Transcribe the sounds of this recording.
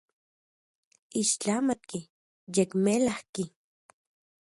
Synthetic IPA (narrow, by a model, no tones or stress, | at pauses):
iʃt͡ɬamat̪̚ki | jekmelahki